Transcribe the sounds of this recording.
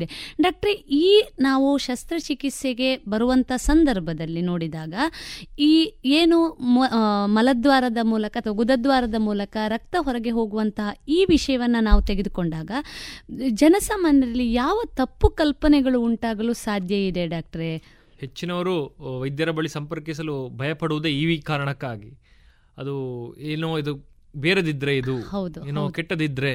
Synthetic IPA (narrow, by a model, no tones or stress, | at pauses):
d̪eɖaːk̚ʈɐɾeʔiːnaːʋuʃɐst̪ɾɐt͡ʃikit̪seɡe̞bɐɾuʋɐnt̪ɐɦɐsɐnd̪ɐɾbʱɐd̪ɐlːino̞ːɽid̪aːɡɐiːeːnu | mɐlɐd̪ʋaːɾɐd̪ɐmuːlɐkɐːt̪ʰɐɡud̪ɐd̪ʋaːɾɐd̪ɐmuːlɐkɐɾɐk̚t̪ɐɦɔɾɐɡe̞ɦo̞ːɡuʋɐnt̪ɐɦɐiːʋiʂɐjɐʋɐnːɐnaːʋut̪eɡed̪uko̞ɳɖaːɡɐ | d͡ʒɐnɐsaːmaːnjɐd̪ɐlːijaːʋɐt̪ɐpːukɐlpɐnɛɡɐɭuːɳʈaːɡɐɭusaːd̪ʱjɐid̪e̞ɖaːk̚ʈɐɾe | het͡ʃːinɐʋɐɾuʋɐjd̪jɐɾɐbɐɭisɐmpɐɾkisɐlubʱɐjɐpɐɽuʋud̪eiːʋikaːɾɐɳɐkːaːɡi | ɐd̪ueːnoid̪u | beːɾɐd̪id̪ɾeid̪uhɐwd̪ueːnokeʈːɐd̪id̪ɾe